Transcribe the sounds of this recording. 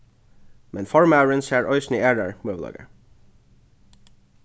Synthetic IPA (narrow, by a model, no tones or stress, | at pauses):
mɛnfɔɹmɑʉɹənʃæːɹʔɔʏsniæːɖəɹmøːʋlɑ̰ːɡə̰